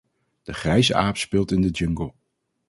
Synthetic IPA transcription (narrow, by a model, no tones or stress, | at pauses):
d̥əχrɛjsəʔaːpspɪːlˠtɪndəd͡ʒɵŋɡəlˠ